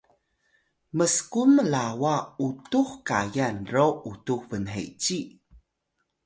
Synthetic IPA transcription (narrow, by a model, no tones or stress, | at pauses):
məskuməlawautuxkajanroʔutuxvənɦḛt͡ɕi